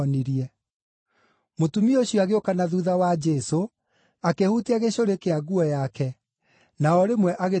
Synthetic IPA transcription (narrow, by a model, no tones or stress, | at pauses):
niɾiɛ | motumioɕjɔaɣeokanaðuðawad͡ʒɛso | akehuteaɣeɕoɾekeaɣuɔjakɛ | naɔɾemwɛʔaɣe